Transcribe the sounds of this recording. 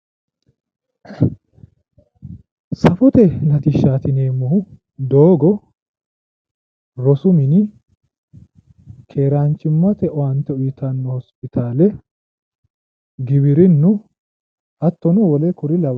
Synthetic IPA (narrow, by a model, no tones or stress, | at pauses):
sɐfɔt̪ɛnɐt̪ɪʃaːt̪ɪneːmːɔhʊ | d̪oːɡɔ | ɾɔsʊmɪnɪ | kʰe̞ːɾaːnt͡ʃːɪmːɐt̪ɛʔɔɐnt̪ɛʊjɪt̪anːɔhɔspɪt̪ʰaːlɛ | ɡɪbɪɾɪnːʊ | ɐt̪ːɔnʊwɔlɛkʊɾɪlɐw